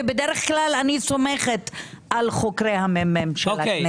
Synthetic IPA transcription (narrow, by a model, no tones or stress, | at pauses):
ebed̪eʁeχklalanisomeχet̪ | alχokɾejhamememʃeoame